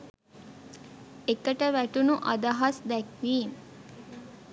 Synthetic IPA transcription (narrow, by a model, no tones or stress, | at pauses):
ekəʈəʋæʈunuʔad̪aɦasd̪ɛkʋiːm